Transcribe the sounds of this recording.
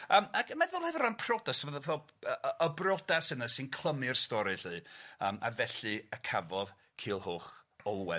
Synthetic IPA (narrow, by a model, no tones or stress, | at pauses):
əːmakʰəmɛðɔlˠhɛvɪɾranpʰrɔdasvəðvɔəəʔəbrɔdasənəsɨnkʰlˠəmɨrstɔɾɨɬɨːəːma̰vɛɬɨəkʰavɔð | kʰiːlˠhoːχɔlˠwɛ